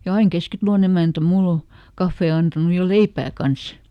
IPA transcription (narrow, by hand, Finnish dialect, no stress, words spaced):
jɑ ɑiŋ keskitɑ̆lon emæntæ mulː o kɑfːeː ɑntɑnu jɑ leipæː kɑns